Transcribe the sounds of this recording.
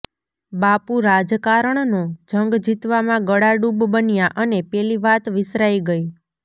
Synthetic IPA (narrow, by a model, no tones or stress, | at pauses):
bapuɾad͡ʒkaɾəɳnod͡ʒʱəŋɡd͡ʒit̪ʋamãɡəɽaɖubbənjaʔənepɛliʋat̪ʋɪsɾaiɡəji